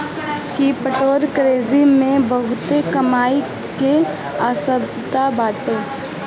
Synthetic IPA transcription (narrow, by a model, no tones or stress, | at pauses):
kipəʈoːɾkɾeːzimẽbɐɦʊt̪ekɐmaːi | ke | aːsəb | t̪abaːʈeː